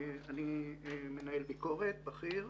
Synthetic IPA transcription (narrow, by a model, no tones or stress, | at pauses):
anime̞naelbiko̞ʁe̞t̪̚baχiʁ